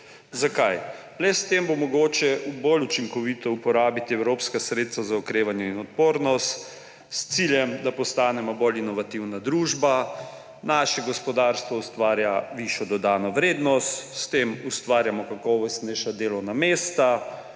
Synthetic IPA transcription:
zakaj | lɛst̪embomɔɡoːt͡ʃɛubolut͡ʃiŋkɔʋit̪ɔupɔɾaːbit̪iɛwɾoːpskasɾet̪st̪ʋazaɔkɾeːʋanjɛinɔt̪̚poːɾnɔst̪ | st̪siljɛmd̪apɔst̪aːnɛmɔbolinɔʋat̪iwnad̪ɾuːʒba | naʃɛɡɔspɔd̪aɾst̪ʋɔust̪ʋaːɾjaʋiʃjɔd̪ɔd̪aːnɔʋɾeːd̪nɔst̪st̪emust̪ʋaːɾjamɔkakɔːʋɔst̪nɛjʃad̪eːlɔwnameːst̪a

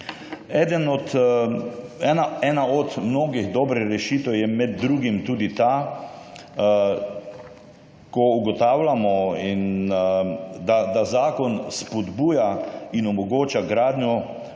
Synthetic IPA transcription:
ɛːd̪ənɔt̪ | ɛnaɛːnaɔd̪mnoːɡiɣd̪ɔbɾɛɾɛʃiːt̪ɛjɛmɛd̪̚ːɾuːɡimt̪uːd̪it̪aː | kɔuɡɔt̪aːwlamɔin | d̪ad̪azaːkɔnspɔd̪buːjainɔmɔɡoːt͡ʃaɡɾaːd̪nʲjɔ

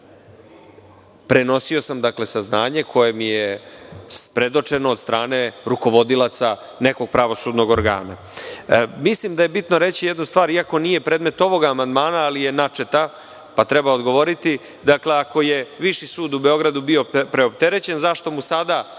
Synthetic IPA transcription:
pɾeno̞sio̞samd̪akle̞saznaːɲe̞kʰo̞je̞mijespɾe̞d̪o̞t͡ʂe̞noːd̪st̪ɾʔaːne̞ɾuko̞ʋo̞d̪ilat̪sa | ne̞ko̞ɡ̥̚pɾaʋo̞sud̪no̞ɡo̞ɾɡa̰ːna̰ | mislimd̪aje̞bit̪noɾe̞t͡ɕijed̪nust̪ʋaːɾiako̞nije̞pɾeːd̪me̞t̪o̞ʋo̞ɡaːmand̪maːnaːlije̞nat͡ʂe̞t̪a | pat̪ɾebaod̪ɡo̞ʋo̞ɾit̪i | d̪akle̞ako̞je̞ʋiʃisuːd̪ube̞o̞ɡɾad̪ubiopɾeopt̪e̞ɾet͡ɕe̞nzaʃt̪o̞musad̪a

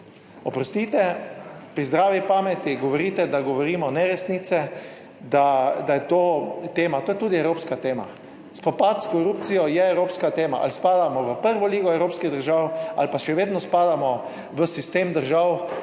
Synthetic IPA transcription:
ɔpɾɔst̪it̪ɛpɾizd̪ɾaːʋipaːmɛt̪iɡɔʋɔɾiːt̪ɛd̪aɡɔʋɔɾiːmɔnɛɾɛsniːt̪sɛ | d̪ad̪ajɛt̪oːt̪eːmat̪oːjɛt̪uːd̪iɛwɾoːpskat̪eːma̰ | spɔpat̪skɔɾupt̪sijɔjɛɛwɾoːpskat̪eːma̰ʔa̰lspaːd̪amɔʋəpəɾʋɔliːɡɔɛwɾoːpskiɣd̪əɾʒawa̰lpaʃɛʋeːd̪nɔspaːd̪amɔ | ʋəsist̪eːmd̪əɾʒaw

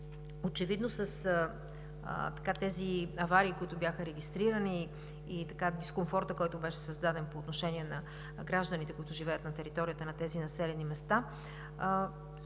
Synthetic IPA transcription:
ot͡ʃɛvid̪nosəs | t̪ɐ̥kat̪ɛziɐvaɾiːkoit̪ʊbjaxəɾɛɡist̪ɾiɾəniː | t̪ɐkad̪iskoɱfɔɾt̪əkɔjt̪ʊbɛʃɛ̥sɐzd̪ad̪ɛnpoːt̪noʃɛniɛnɐ | ɡɾaʒd̪ənit̪ɛkoʊit̪ʊʒivɛjət̪nɐt̪ɛɾit̪ɔɾijət̪ənɐt̪ɛzinɐsɛlɛnimɛst̪a

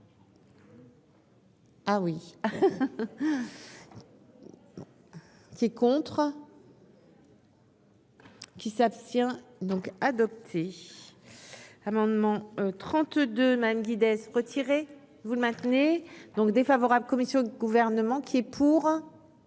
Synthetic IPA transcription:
awi | kʲiɛkɔ̃t̪χ | kʲisapst̪jɛ̃d̪ɔ̃kad̪ɔp̚t̪ʰe | amɑ̃d̪mɑ̃t̪χɑ̃t̪d̪ømad̪amɡʲid̪ɛsʁət̪ʰiʁe | vuləmɛ̃t̪ned̪ɔ̃kd̪efavɔʁabləkɔmisjɔ̃d̪əɡuvɛʁnəmɑ̃kʲʰiɛpʰuʁ

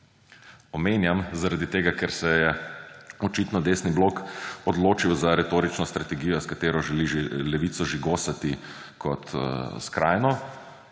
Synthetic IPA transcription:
ɔmeːnjamzaɾad̪it̪eːɡakɛɾsɛjɛ | ɔt͡ʃiːt̪nɔd̪eːsniblokɔd̪loːt͡ʃiwzaɾɛt̪oːɾit͡ʃnɔst̪ɾat̪ɛɡijɔskat̪eːɾɔʒɛlilɛʋiːt̪sɔʒiɡoːsat̪i | kʰɔt̪skɾa̰ːjnɔ

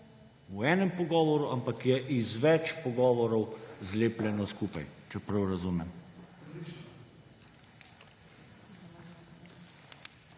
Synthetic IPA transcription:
uɛːnɛmpɔɡɔːʋɔɾuʔampakjɛʔizʋɛt͡ʃpɔɡɔːʋɔɾɔwzleːplʲɛnɔskuːpa̰jt͡ʃɛpɾɐwɾazuːmɛm

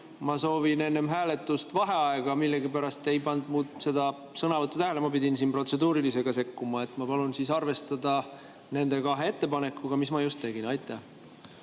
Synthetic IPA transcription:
mɑso̞ːvine̞nːe̞mɦæːle̞t̪ːˑust̪vɑɦe̞ɑe̞ɡ̥ɑmilːe̞ɡipæɾɑst̪e̞jpɑnd̪̥̚muːd̪se̞d̪ɑ | sɤnɑvɤt̪ːˑut̪æɦelemɑpid̪ʲinsiːnpro̞t̪se̞d̪uːɾilise̞ɡ̥ɑse̞kːumɑe̞t̪ːˑmɑpɑlunsisɑrve̞st̪ɑd̪ɑ | ne̞nd̪̥e̞kɑɦe̞e̞t̪ːe̞pɑne̞kːuɡ̥ɑmismɑjust̪t̪ːe̞ɡinɑjt̪ːˑæh

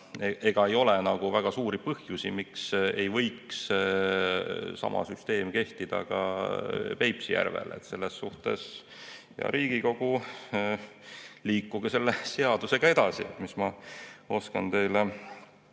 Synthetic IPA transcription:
eʔe̞ɡ̥ɑe̞jo̞lɛnɑɡ̥uvæɡ̥ɑsuːɾipɤhjusimikse̞jvɤ̞jks | sɑ̰mʔɑ̰syst̪e̞ːmke̞ht̪id̪̥ɑ̰ɡ̥ɑ̰ | pe̞jpsijæ̰rvḛlḛt̪se̞lːesːuht̪e̞̰s | jɑ̰ɾiːɡ̥iko̞ɡ̥u | liːkːuɡ̥ese̞lːese̞ɑd̪use̞ɡ̥ɑe̞d̪̥ɑsḭt̪mismɑo̞skɑnt̪e̞jle

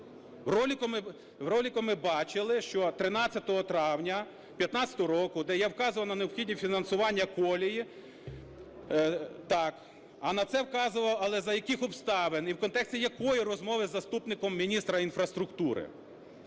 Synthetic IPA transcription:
wrɔlʲikɔmɪ | wɾɔlʲikɔmɪbɑt͡ʃɪlˠɪʃt͡ʃɔt̪ɾɪnɑt͡sʲːɐt̪ɔɦɔt̪ɾɑwnʲɐ | pʲjɐt̪nɑt͡sʲɐ̥t̪ɔɦɔɾɔkʊd̪ɛjawkɑzʊʋɐwnɐneɔpxʲidʲnʲifʲinɐnsʊʋɑnʲːɐkɔlʲiji | t̪ɑk | ɐnɐt̪sɛwkɑzʊʋɐwɐlˠɛzɐjɐkɪxɔpst̪ɑʋeniwkɔnt̪ɛksʲtʲijɐkɔjirɔzmɔʋɪzːɐst̪upnɪkɔmːʲinʲist̪ɾɐinfɾɐst̪ɾʊkt̪uɾɪ̰

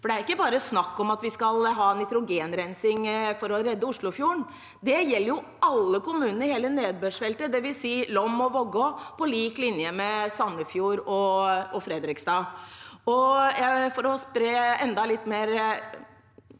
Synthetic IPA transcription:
fɔɖɛæɾɪkːəbɑːɾəsnɑkːɔmɑt̪ʋɪskɑlɦɑːnɪt̪ɾʊɡeːnɾɛnsɪŋfɔɾɔɾɛd̪ːəʊʂɭʊfjuːəɳ | d̪ɛjɛlːəɾjʊ | ɑlːəkʊmʉːnənəɾheːləneːd̪̚bøʂfɛlt̪əd̪ɛʋɪlsiːlɔmːɔʋɔɡɔpɔliːklɪnjəmɛsɑnːəfjuːɾɔʔɔfɾɛd̪ɾɪksd̪ɑːɔjæfɔɾɔspɾeːɛnd̪ɑlɪt̪ːmeːɾ

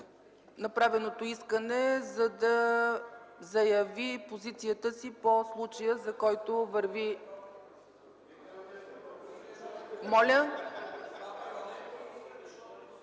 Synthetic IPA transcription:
nɐpɾavɛnot̪oiskənɛzɐd̪ɐ | zɐjɐvipozit̪sijət̪əsiposlˠut͡ʃəjəzɐkɔjt̪ovəɾvi | mɔlʲə

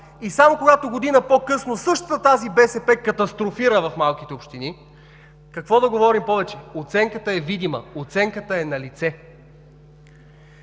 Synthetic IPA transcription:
isamokoɡat̪oɡod̪inəpokɤsnosɤʃt̪ət̪ət̪azibɛsɛpɛkɐt̪ɐst̪ɾofiɾəvɐfmalˠkit̪ɛopʃt̪ini | kɐkvɔd̪ɐɡovɔɾimpɔvɛt͡ʃɛot̪sɛŋkət̪əɛvid̪imə̰ot̪sɛŋkət̪əɛnɐlit̪sɛ

